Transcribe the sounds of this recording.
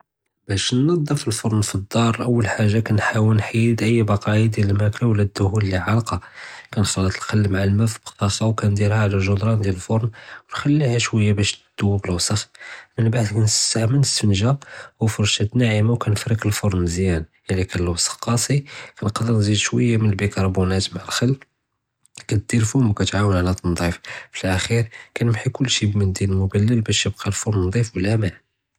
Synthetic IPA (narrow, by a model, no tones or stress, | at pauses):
bæʃnːɑd̪ˤːəɾfilfoɾˤnfid̪ːɑɾˤʔəwːəlħaʒːakænħawəlnħid̪ʔəjːbɑqɑjad̪jæləlmæklawlːæd̪ːʊhuləlːiʕɑlqɑkænxɑlət̪ə̥lxælːəmʕalmæfibət̪ˤːɑxɑwkænd̪iɾhæʕlælʒod̪ɾˤɑnd̪jæləlfoɾˤnwənxælːihæʃwəjːabæʃd̪̥uwːæbəlwsˤəxmənbaʕd̪kænsahmənəst̪ənʒawəfʊɾˤʃæt̪naʕimawkænəfɾikəlfoɾˤnzjæn | əlikænlwsˤɑ̥qːɑsˤikænqd̪əɾnzid̪ʃwəjːamənəlbikɑɾˤbunæt̪maʕəlxəlː | kæt̪̚d̪̥iɾfumkæt̪ʕawənʕlæt̪ˤɑnd̪ˤiffəlʔæxiɾkænəmħikʊlːʃibmənd̪iləlmʊbælːəlbæʃjəb̚qʰɑlfoɾnːd̪ˤifwəlːæmæ